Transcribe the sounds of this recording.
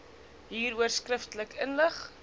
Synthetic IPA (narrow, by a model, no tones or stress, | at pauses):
ɦiːɾuərskrəftələkʰənləχ